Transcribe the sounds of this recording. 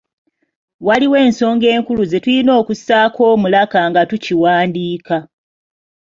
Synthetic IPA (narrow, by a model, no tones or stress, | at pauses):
waliwe̞ːnso̞ːŋɡe̞ːŋkuluze̞tulino̞ːkusaːkʰo̞ːmulakaŋɡatuciwaːndiːka